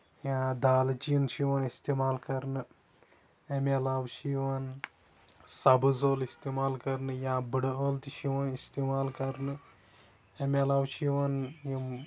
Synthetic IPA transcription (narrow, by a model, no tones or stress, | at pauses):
jãːd̪aːlt͡ʃiint͡ʃʰiʋɐnist̪emaːlkɐɾnɨ | emelawt͡ʃʰiʋɐn | sɐbɨzoːlist̪eːmaːlkɐɾnɨjãːbɨɽəːlt̪iʃiʋɐnist̪imaːlkɐɾnɨ | emʲelawt͡ʃʰiʋɐnjim